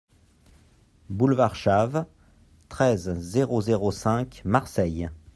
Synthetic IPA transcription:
bulvaʁʃav | t̪χɛzːeʁozeʁosɛ̃kmaʁsɛj

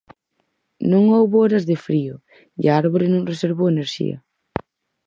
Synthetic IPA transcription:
nõŋowβoɔɾɐzðɪfɾiʊ | ḭaaɾβoɾɪnõŋreseɾβoweneɾʃḭɐ̰

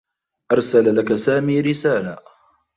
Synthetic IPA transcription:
ʔɑɾˤsalalakasaːmiːɾɪsaːla

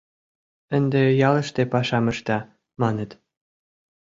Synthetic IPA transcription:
ə̆nd̪ejɑlə̆ʃt̪epɑʃɑmə̆ʃt̪ɑ | mɑnə̆t̪

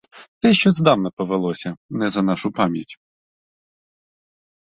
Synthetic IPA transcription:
t̪ɛʃt͡ʃɔzd̪ɑwnɐpɔʋelˠɔsʲɐnɛzɐnɑʃʊpɑmʲjɐtʲ

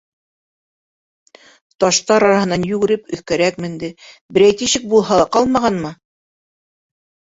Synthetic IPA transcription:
t̪ɑʃt̪ɑɾɑɾɑhɤ̆nɑnjʉɡɘ̆ɾɘpɵ̆θkæɾækmɘ̆nd̪ɘbɘ̆ɾæjt̪iɕɘk̚bulˠɦɑlˠɑqɑlˠmɑʁɑnmɤ

